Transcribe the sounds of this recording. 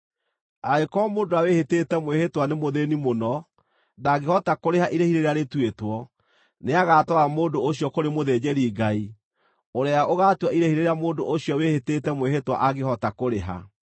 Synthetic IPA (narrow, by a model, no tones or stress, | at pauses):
aekɔmoːndoaweheteːtɛmwehetwanemoðenimonɔ | naːɡehɔtakoɾeɦaʔiɾehiɾeɾeaɾetwetwɔ | neaɣaːtɔamoːndooɕjɔkoɾemoðed͡ʑeɾiːɡai | oɾeaʔoɣaːtwaiɾehiɾeɾeamoːndoʔoɕiɔweheteːtɛmweɦetwa̰ʔaɣehɔtakoɾeɦa̰